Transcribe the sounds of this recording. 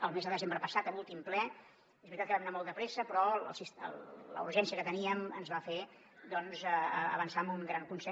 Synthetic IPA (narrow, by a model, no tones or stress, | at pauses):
əlˠmezðəðəzembɾəpəsat̪əlulˠt̪implɛ | eβɾit̪at̪kəβamnamɔlˠd̪əpɾesəpɾɔə̰lˠsisə̰llə̰uɾʒɛnsiəkət̪əniəmənzβafe | d̪ɔnzəə̰βənsamuŋɡɾaŋkunsɛ